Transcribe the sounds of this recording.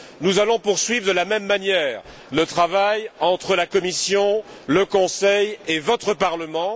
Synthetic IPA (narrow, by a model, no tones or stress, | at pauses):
nuzalɔ̃puʁsɥivʁəd̪əlamɛmːanjɛːʁ | lət̪χavajɑ̃t̪χəlakɔmisjɔ̃ | ləkɔ̃sɛjevɔt̪χəpaʁləmɑ̃